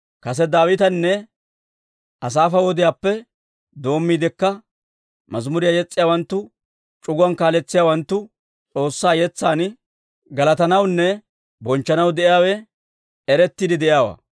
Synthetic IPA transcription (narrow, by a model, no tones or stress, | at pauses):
kɐs̬ɛd̪aːwɪt̪ɐnːɛ | ɐs̬aːfɐwɔd̪ɪjaːpːɛ | d̪o̞ːmːiːd̪ɪkːɐ | mɐzmʊɾɪjajɛt͡sʼːɪjaːwɐnt̪ːʊ | t͡ʃʼʊɡʊɐnkaːlɛt͡sːɪjaːwɐnt̪ːʊ | t͡sʼo̞ːsːaːjɛt͡sːaːn | ɡɐlɐt̪ɐnɐwnːɛ | bɔnt͡ʃːɐnɐwd̪ɛʔɪjaːwɛ | ɛɾɛt̪ːiːd̪ɪd̪ɛʔjaːwa̰ː